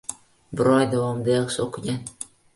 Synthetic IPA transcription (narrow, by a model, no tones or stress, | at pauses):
bɪɾɒjd̪avɒmd̪ajɑχʃɪoqʰɪɡʲan